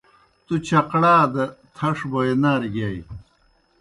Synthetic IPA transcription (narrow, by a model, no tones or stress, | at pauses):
t̪ut͡ɕɐqɽaːd̪ɐt̪ʰɐʂbojenaːɾiɡaj